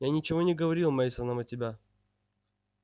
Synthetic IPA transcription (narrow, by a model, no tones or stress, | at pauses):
janʲɪt͡ɕɪvo̞nʲɪɡəvɐɾʲilˠmajsənəmɐtʲɪbʲa